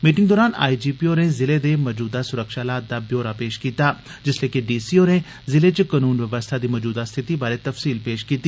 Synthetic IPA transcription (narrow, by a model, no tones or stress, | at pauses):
miːʈɪ̃ŋɡd̪ɔːɾaːna̰ːid͡ʒiːpioːnezɪled̪emɔd͡ʒuːd̪asʊɾəkʃaːlaːt̪̚d̪abjoːɾapeːʃkiːt̪aː | d͡ʒɪsleːkeɖiːsioːne | zɪlet͡ʃəkɐnuːnʋəʋəst̪ʰad̪iːmɔd͡ʒuːd̪ast̪ʰɪt̪ibaːɾet̪ɐfsiːlpeːʃkiːt̪i